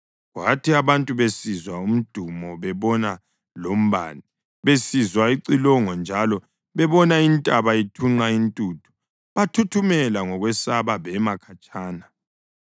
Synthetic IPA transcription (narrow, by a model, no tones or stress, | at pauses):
ɣwatʰiaβantʼuβesizwaum̩d̥ʱumɔβɛβɔna | lom̩βa̰ːni | βesizwaiǀilɔŋɔnd͡ʒʱalɔ | βɛβɔnaintʼaβaitʰuŋ͡ǃaintʼutʰu̥ | βatʰutʰumɛlaŋɔɣwɛsaβaβɛmakʰat͡ʃʼaːna